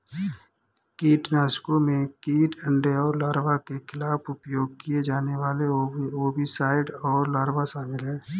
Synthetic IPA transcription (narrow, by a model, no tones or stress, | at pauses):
kiːʈnaːskõmẽkiːʈə̃ɳɖeɔːɾlaːɾʋakekʰɪlaːpʰʊpjoːɡ̚kied͡ʒaːneʋaːleoːbisaːɪɖɔːɾlaːɾʋaʃaːmɪlɦɛː